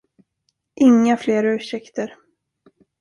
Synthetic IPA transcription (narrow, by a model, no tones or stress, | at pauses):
ʔɪŋːafleːɾaʉ̟ːʂɛkt̪əɾ